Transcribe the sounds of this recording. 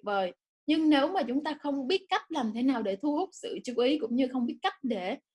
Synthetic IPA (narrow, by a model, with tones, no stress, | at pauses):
vəː˨˩j | ɲɨ˧ŋne˨˦wmaː˨˩t͡ɕʊ˨˦ŋ͡mt̪aː˧xə˧wŋ͡mɓi˦˥ət̚ka˦˥jt̚laː˨˩mt̪ʰe˨˦naː˨˩wɗe˧˩t̪ʰu˧hʊ˦˥k͡p̚sɨ̰˧˨t͡ɕu˧˦ʔi˨˦kʊ̰˧˥wŋ͡mɲɨ˧xə˧wŋ͡mɓi˦˥ət̚ka˦˥t̚ɗe˧˩˨